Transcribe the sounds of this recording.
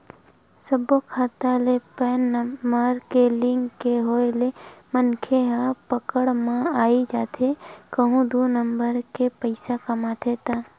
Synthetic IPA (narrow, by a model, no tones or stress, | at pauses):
səbokʰaːt̪alepɛːnːəɾkelɪ̃ŋɡkeɦoːelemənkʰeɦapəkəɽmãaːid͡ʒaːt̪ʰekəɦũd̪unəmbəɾkepəɪsakɐmaːt̪ʰet̪aː